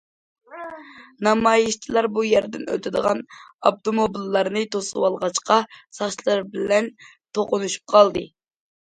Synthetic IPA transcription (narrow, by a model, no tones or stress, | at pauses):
nɑmɑjɨʃt͡ʃʰilˠɑɾbujɛɾd̪ɪnø̰t̪ʰɪd̪əʁɑnɑb̚t̪omobilˠːɑɾnɨt̪ʰosɨwɑlˠʁɑt͡ʃqɑsɑχt͡ʃlˠɑɾbɪlɛn | t̪ʰoqʊnuʃy̥p̚qʰɑlˠd̪ɨ